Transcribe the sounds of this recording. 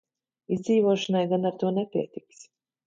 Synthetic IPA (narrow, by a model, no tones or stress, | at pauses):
izd̪ziːvuɔʃanajɡanaɾt̪uɔnɛpʲiɛt̪iks